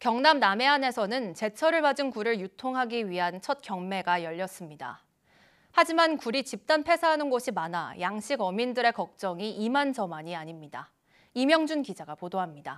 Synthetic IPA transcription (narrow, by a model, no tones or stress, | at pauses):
kjʌŋnamname̞ane̞sʰʌnɯnt͡ɕe̞t͡ɕʰʌɾɯɭpad͡ʑɯnkuɾɯɭjutʰoŋɦaɡiɥiɦant͡ɕʰʌt̚kjʌŋme̞ɡajʌʎːʌs͈ɯmɲida̰ | had͡ʑimankuɾit͡ɕip̚t͈anpʰe̞sʰaɦanɯnɡoɕʰimana̰jaŋɕʰiɡʌmindɯɾe̞kʌk̚t͡ɕ͈ʌŋiʔimand͡ʑʌmaɲiaɲimɲida | imjʌŋd͡ʑunkid͡ʑaɡapodoɦamɲida